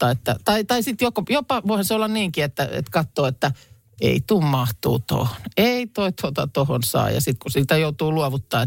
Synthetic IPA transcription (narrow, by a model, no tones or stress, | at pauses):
ɑːet̪ːæ̰t̪ɑit̪ɑisit̪jokojopɑʋoihɑseolːɑnniːŋkiet̪ːæḛt̪kɑt̪ːoːet̪ːæ | ḛit̪uːmmɑht̪ṵːt̪o̰honeit̪oˑit̪ʰot̪ɑt̪ohonsɑ̰ːjɑ̰sit̪kusiːt̪æjout̪uːluoʋut̪ːɑːe